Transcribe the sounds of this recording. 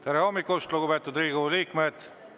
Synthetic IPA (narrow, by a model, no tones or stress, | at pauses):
t̪eɾeho̞mːikːust̪luɡupe̞ːt̪ːud̪riːɡuliːkme̞d̪̥